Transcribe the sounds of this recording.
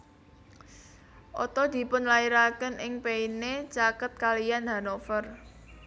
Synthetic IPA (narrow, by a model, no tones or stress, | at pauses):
ʔɔ̰t̪ɔd̪̥i̤pʊnlaiɾakənʔɪŋpeinet͡ʃakət̪̚kalijanɦa̤nofər